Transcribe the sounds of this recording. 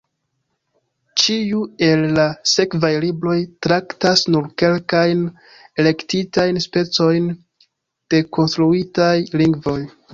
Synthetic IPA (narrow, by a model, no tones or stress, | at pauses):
t͡ʃiue̞lːase̞kvajlibɾo̞jtɾaktasnuɾke̞lkajn | ele̞ktitajnspe̞t͡so̞jn | d̥e̞kʰonstɾuitajliŋɡvo̞j